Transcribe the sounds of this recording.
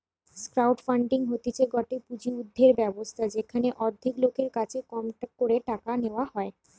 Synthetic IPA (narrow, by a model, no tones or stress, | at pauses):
skɾawʈfaɳɖiŋɦot̪it͡ɕʰeɡɔʈepud͡ʑiud̪ʱːeɾbɛbost̪ʰad͡ʑekʰaneʔɔd̪ʱːiklokeɾkat͡ɕʰekɔmkoɾeʈakaneoaɦɔe